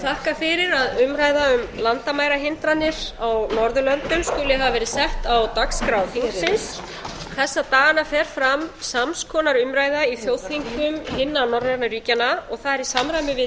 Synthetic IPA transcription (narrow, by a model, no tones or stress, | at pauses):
t̪ʰahkafɪɾɪɾaðʏmɾaːjðaʏmlant̪amaːjɾaɦɪnt̪ɾanːɪɾawnɔɾðʏlœnt̪ʏmskʏːlɪɦavavɛːɾɪsɛht̪awt̪akskɾawθiŋkssɪns | θɛsːat̪aːɣanafɛɾ̥fɾamsamskʰɔːnaɾʏmɾaːjðaiθjowt̪ʰiŋkʏmhɪnːanɔɾaɾnaɾiːcanːaɔɣθaðɛɾisamɾajmɪvɪ